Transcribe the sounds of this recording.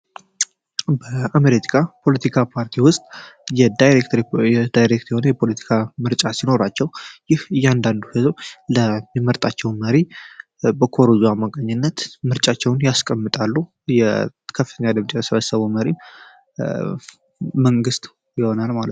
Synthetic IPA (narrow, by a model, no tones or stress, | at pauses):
bəameɾet̪ʰi̥kʰapʰo̞lət̪ʰikʰapʰaɾt̪ʰiwʊst̪ʼjɛd̪jekt̪ʰɛd̪ajɾek̚t̪jho̞nəjɛpʰo̞lət̪ʰi̥kʰamɨɾt͡ʃʼasino̞ɾat͡ʃːɛwjɪhɨjːand̪and̪uhɨzowləmːiməɾt̪ʼat͡ʃːɛwməɾi | bəkʰoɾzuamːakʼəɲːɪnːət̪mɨɾt͡ʃʼat͡ʃːɛwʊnjaskʼəmːɨt̪ʼalːu | jɛ | kʰəfɨt̪ʰəɲːad̪ɨmt͡ʃʼejəsəβəsːəβuməɾi | məŋɡɨst̪ʼ | jɪho̞nalmalət̪n